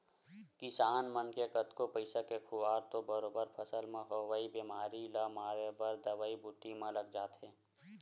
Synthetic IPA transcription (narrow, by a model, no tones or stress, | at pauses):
kisaːnmənkekət̪kopəɪsakekʰʊaːɾt̪obəɾoːbəɾpʰəsəlmẽɦoʋaːibeːmaːɾilaːmaːɾebəɾd̪əʋaːibʊʈːimɐ̃ləɡ̚d͡ʒaːt̪ɦẽː